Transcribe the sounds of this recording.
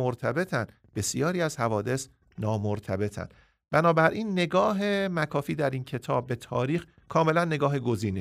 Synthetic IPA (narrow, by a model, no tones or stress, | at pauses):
oɾt̪ʰæbe̞t̪ʰænd̪ | be̞sijɒːɾiːæzhævɒːd̪e̞s | nɒːmoɾt̪ʰæbe̞t̪ʰæ̰nd̪ | b̥ænɒːbæɾʔiːnːe̞ɡɒːɦe̞mækʰɒːfiːd̪æɾiːncʰe̞t̪ʰɒːb̚ːe̞t̪ʰɒːɾiːx | kʰɒːme̞lænːe̞ɡɒːɦe̞ɡo̞ziːne